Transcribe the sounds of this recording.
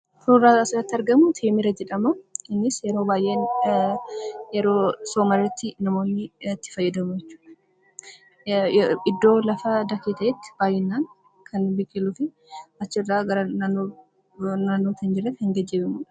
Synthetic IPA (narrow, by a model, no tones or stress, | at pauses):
fʊrasɪɾɐt̪ːɐɾɡɐmʊt̪ʰeːmɪɾɐd͡ʒɛᶑɐmɐɪnːɪsjɛɾo̞ːbaːjʔeːn | jɛɾoːsoːmɐrːɐt̪ːɪnɐmoːnːɪt̪ːɪ̥fɐjːɐd̪ɐmʊjɛt͡ʃːu̥ːᶑɐ | ʔɪd̪ːo̞ːlɐfɐd̪ɐkit̪ɐjɛt̪ːɪ̥b̥aːjɛnːaːn | kʰɐnbɪkʼːɪlufɪ | ɐt͡ʃːɪrːaːɡɐɾɐnanːo | naːnːot̪ʰɐnd͡ʒɪrːɐt̪ːhɪŋɡɐd͡ʒːebɪmuᶑɐ̥